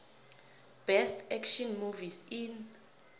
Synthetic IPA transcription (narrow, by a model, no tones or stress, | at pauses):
b̥ɛstʰɛkʃɔnmuvisin